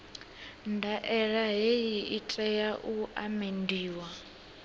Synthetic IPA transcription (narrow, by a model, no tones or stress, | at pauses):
ndʱaʔɛɺaɦejiʔitʼɛjaʔuamendiːwa